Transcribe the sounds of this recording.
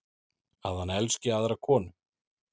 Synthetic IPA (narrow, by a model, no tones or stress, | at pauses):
a̰ðhanɛlscɪaðɾakʰɔːnʏ